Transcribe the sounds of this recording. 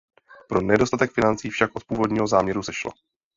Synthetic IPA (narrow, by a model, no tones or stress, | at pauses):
pɾo̞nɛdo̞st̪at̪ɛkfɪnant͡siːfʃakʔo̞t̪̚puːvo̞dɲiːɦo̞zaːmɲɛɾusɛʃlo̰